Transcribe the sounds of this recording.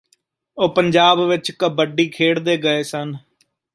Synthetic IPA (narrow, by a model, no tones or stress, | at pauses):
oːpəɲd͡ʒaːbʋɪt͡ʃkəbəɖiːkʰeːɽd̪eːɡəeːsən